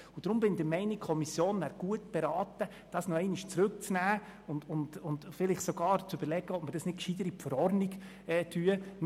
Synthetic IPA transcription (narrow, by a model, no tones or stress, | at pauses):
ʊd̥ɾʊmbɪnid̪ɪmɛɪnɪkʰɔmisjoːnːæɾɡ̥uətb̥ɛɾɑːtə | d̥ɑsnɔɛɪnɪʃt͡sɾʉk̚t͡snæːʊndʊndʊntfɪlɪχsɔɡɑːɾt͡søb̥əɾlɛɡəɔpməɾd̥ɑsnɪt̚kʃid̥əɾipfəɾɔɾniɡ | ɛːtʰyə